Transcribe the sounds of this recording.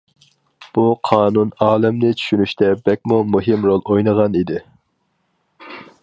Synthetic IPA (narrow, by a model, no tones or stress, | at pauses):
b̥uqʰɑːnunɑːlˠɛmnɪt͡ʃʰy̥ʃynyʃt̪ʰɛbɛk̚ʲmumuɦɪmɾolˠojnəʁɑnid̪ɪ